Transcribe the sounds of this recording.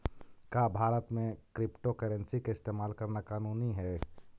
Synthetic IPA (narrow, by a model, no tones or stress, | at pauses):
kaːbʱaːɾət̪mẽkɾɪpʈokəɾɛ̃nsikaɪst̪eːmaːlkɐɾnakaːnuːniɦɛː